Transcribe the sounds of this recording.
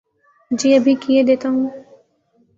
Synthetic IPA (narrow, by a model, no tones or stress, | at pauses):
d͡ʒiəbʱikied̪et̪oŋ